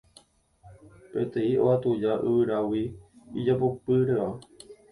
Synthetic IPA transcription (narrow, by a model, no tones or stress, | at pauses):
pẽ̞t̪ẽĩo̰at̪ud͡ʒaʔɨʋɨɾawiid͡ʒapopɨɾea